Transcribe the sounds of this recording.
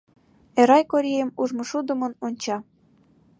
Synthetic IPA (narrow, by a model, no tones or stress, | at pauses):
eɾɑjkoɾʲejəmuʒmɤ̆ʃud̪ə̆mə̆nonʲt͡ɕɑ